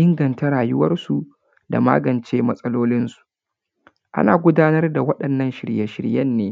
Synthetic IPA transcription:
ʔɪ˦ŋɡɐ˨nta˦ɾaː˨jʊ˦wɐ˦rsu˨ | da̰˨ma̰ː˦ɡɐ˨nt͡ʃeː˦mɐ˦sʼɐ˦loː˦lɪ˦nsu̥˨ | ʔa̰˦naː˨ɡʷʊ˦daː˦nɐ˦rda˨wɐ˦ɗɐ˨nːɐ˦nʃɪ̰˨ɽjɛ˨ʃɪ̰˨ɽjɐ˦nːeː˦

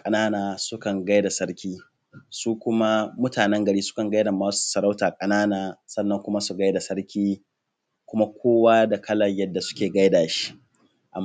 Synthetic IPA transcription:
kʼɐ˨naː˦naː˨sʊ˦kɐ˨ŋɡa˦jda˨sɐ˦ɽkʲiː˦ | suː˦kʷʊ˦ma˦mʊ˦taː˨nɛ˦ŋɡɐ˨ɽiː˦sʊ̥˦kɐ˨ŋɡa˦jda˨maː˦su̥˨sɐ˨ɾa˦wtaː˨kʼɐ˨naː˦naː˨sʼɐ˦nːɐ˦˨ŋkʷʊ˦ma˦su˨ɡa˦jda˨sɐ˦ɽkʲiː˦ | kʷʊ˦ma˦kʷʰoː˦waː˦da˨kʰɐ˦lɐ˨ɲjɐ˦dːa˨sʊ̥˦kʲeː˨ɡa˦jdaː˨ʃi̥˦ʔ | ʔa̰˨m

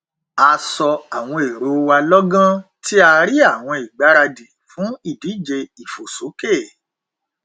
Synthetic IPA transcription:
a˧sɔ˧a˨w̃ɔ̃˧˨e˨ɾo˨˦wa˧lɔ˦ɡã˦ti˦a˧ɾi˦a˦˨w̃ɔ̃˧i˨ɡ͡ba˨˦ɾa˧di˨fũ˨˦i˦˨di˨˦˨d͡ʒe˧i˨fo˨so˨˦ke˦˨

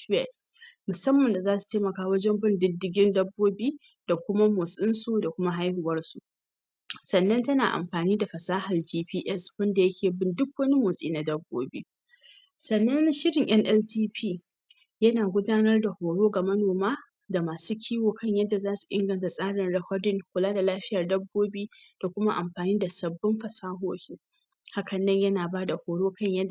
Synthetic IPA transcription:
ɛ˨l | mʊ˨sɐ˦mːɐ˨nda˨zaː˦su̥˨teː˦mɐ˨kaː˦wɐ˦d͡ʒɛ˦mbɪ˦ndɪ˦dːɪ˨ɡʲɪ˦ndɐ˦bːoː˦biː˦ | d̥a˨kʷʊ˦ma˦moː˨sʼɪ˦nsu˨da˨kʷʊ˦ma˦ɦa˦jhʊ˨wɐ˦rsu˨ʔ | sɐ˨nːɐ˦ntɐ˦naː˨ʔa̰˨mɸaː˨niː˦da˨ɸɐ˨saː˦hɐ˨ld͡ʒiː˦piː˦ʔɛ˦swɐ˦nda˨jɐ˦kʲʰeː˨bɪ˦ndʊ˦k̚wɐ˦ni˦moː˨sʼḭː˦na˨dɐ˦bːo̰ː˦bḭː˦ | sɐ˨nːɐ˦nʃɪ˦ɽɪ˨ŋʔɐ˦ŋʔɛ˦ltiː˦piː˦˨ | jɐ˦naː˨ɡʷʊ˦daː˦nɐ˦rda˨hoː˨ɽoː˦ɡa˨mɐ˦noː˨maː˦ | da˨maː˨suː˦kʲʰiː˦woː˨kɐ˦ɲjɐ˦dːa˨zaː˦su̥˨ʔɪ̰˦ŋɡɐ˨nta˨sʼaː˦ɽɪ˨nɽɐ˨hʷɐ˦dɪ˦ŋkʷʊ˨laː˦da˨laː˦ɸɪ˦jɐ˨rdɐ˦bːoː˦biː˦ | d̥a˨kʷʊ˦ma˦ʔa˨mɸaː˨niː˦da˨sɐ˨bːɪ˦mɸɐ˨saː˦ɦoː˦hʲiː˦ | ha˦kɐ˨nːɐ˦ɲjɐ˦naː˨baː˦da˨hoː˨ɽoː˦kɐ˦ɲjɐ˦d

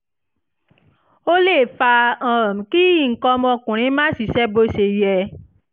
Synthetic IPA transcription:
o˦le˦˨fa˧ã˦˨m̩̃˨ki˦i˦˨ŋ̩˨kɔ˧mɔ̃˧˨kũ˨ɾ̃ĩ˨˦mãː˦si˧˨ʃɛ˦bo˧ʃe˨jɛ˧

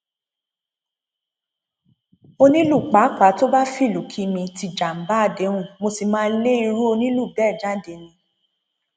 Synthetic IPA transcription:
o˧nĩ˦lu˦˨k͡pa˨˦k͡pa˨˦to˦ba˦fi˦˨lu˨˦kʰi˦mĩ˧ti˧˨d͡ʒa˨m̩˨ba˦a˧˨de˨˦ɾ̃ũ˦˨mo˧si˨mãː˦˧˦le˦i˧ɾu˦o˧nĩ˦lu˦˨bɛ˦˨d͡ʒa˨˦de˨˦nĩ˧

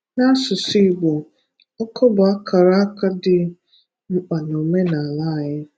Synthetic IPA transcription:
na˦sʊ˨si˦˨ɡ͡bo˨ | ɔ˦kʰɔ˦bʊ˨a˦kʰa˨ɾa˦a˦ka˦dɪ˨ | ŋ͡m̩˨k͡pa˨no˨me˦na˨a˨la˦˨ɣɪ˦

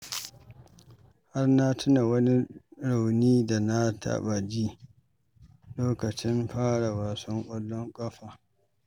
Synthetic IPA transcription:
ha˦rna˦tʰʊ˦na˨wɐ˦ni˦ɽa˨wniː˦da˨na˦tʰa̰˦ɓa˨d͡ʒiː˦ | loː˦kɐ˨t͡ʃɪ˦mɸaː˦ɽa˨waː˨sɔ˦ŋkʷʼɔ˦lːɔ˦ŋkʼɐ˦ɸa˨

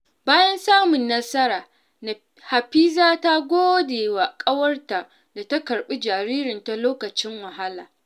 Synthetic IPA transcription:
baː˦jɐ˦nsaː˦mʊ˨nːɐ˦sɐ˦ɾaː˨ | ha˨ɸiː˦zaː˦ta˦ɡʷoː˦deː˨wa˨kʼɐ˦wɐ˦rta˨ | da˨ta˦kɐ˨ɽɓi˦d͡ʒaː˨ɾiː˦ɾɪ˨nta˨loː˦kɐ˨t͡ʃɪ˦ŋwɐ˨ɦa˦laː˨

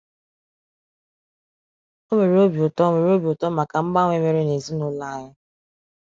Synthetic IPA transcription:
o˦me˨ɾe˨o˦bi˨ʊ˨tɔ˦me˨ɾe˨˦o˦bi˨ʊ˨tɔ˦ma˨ka˨m̩˦ɡ͡ba˦ŋʷ˦e˦me˨ɾe˦ne˨zi˦nʊ˦la˦ɲɪ˦

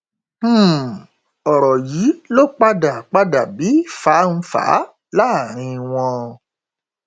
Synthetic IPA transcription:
m̩˦˨ | ɔ˨ɾɔ˨ji˨˦lo˦k͡pa˦da˨k͡pa˦da˨bi˨˦˨fa˨˦n̩˧fa̰ː˨˦ | la˦˨ɾ̃ĩ˧w̃ɔ̃˧

